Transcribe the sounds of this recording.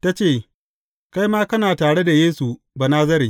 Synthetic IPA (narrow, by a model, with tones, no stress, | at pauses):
ta˦t͡ʃeː˦˨ | ka˦jmaː˦kɐ˦naː˨taː˨ɽe˦da˨jeː˦su˨ | ba˨naː˦zɐ˦ɾi˨